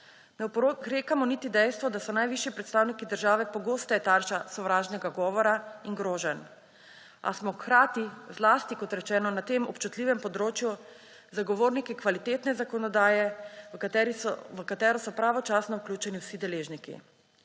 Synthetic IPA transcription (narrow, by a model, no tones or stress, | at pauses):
nɛɾekamɔnit̪id̪ɛjst̪ʋɔd̪asɔnajʋiʃjipɾɛt̪st̪aːwnikid̪əɾʒaːʋɛpɔɡoːst̪ɛt̪aɾʃasɔʋɾaːʒnɛɡaɡɔːʋɔɾaiŋɡɾoːʒɛn | a̰smɔxɾaːt̪izlaːst̪ikɔt̪ɾɛt͡ʃɛːnɔnat̪eːmɔpt͡ʃut̪liːʋɛmpɔd̪ɾoːt͡ʃju | zaɡɔʋoːɾnikikʋalit̪eːt̪nɛzakɔnɔd̪aːjɛ | ɛɾəkat̪ɛːɾɔsɔpɾaːʋɔt͡ʃaːsnɔwklʲuːt͡ʃɛniwsid̪ɛleːʒnikḭ